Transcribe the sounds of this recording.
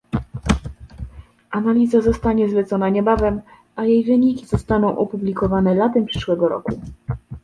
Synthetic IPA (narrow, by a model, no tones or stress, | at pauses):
ʔanalʲizazɔst̪aɲɛzlɛt̪sɔnaɲɛbavɛm | ajejvɘɲikʲiz̥ɔst̪anɔ̃w̃ʔɔpublʲikɔvanɛlat̪ɛmpʂɘ̥ʂwɛɡɔɾɔ̰ku